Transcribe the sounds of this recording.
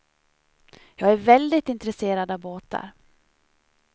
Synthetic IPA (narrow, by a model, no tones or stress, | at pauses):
jɑːɡæɾvɛld̪ɪt̪ɪnt̪ɾɛseːɾad̪ɑvboːt̪a̰ɾ